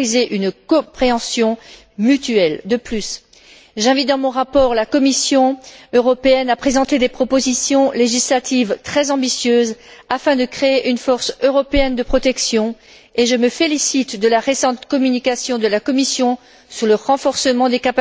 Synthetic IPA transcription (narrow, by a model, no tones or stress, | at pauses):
izeʔynkɔ̃pχeɑ̃sjɔ̃ | myt̪yɛld̪əplys | ʒɛ̃vit̪̚d̪ɑ̃mɔ̃ʁapɔʁlakɔmisjɔ̃øʁɔpeɛnapχezɑ̃t̪ed̪epχɔpozisjɔ̃leʒislat̪ʰivt̪χɛzɑ̃bisjøzafɛ̃d̪əkχeeʔynfɔʁsøʁɔpeɛnd̪əpχɔt̪ɛksjɔ̃ | eʒəməfelisit̪d̪əlaʁesɑ̃t̪kɔmynikasjɔ̃d̪əlakɔmisjɔ̃ | syʁləʁɑ̃fɔʁsəmɑ̃d̪ekap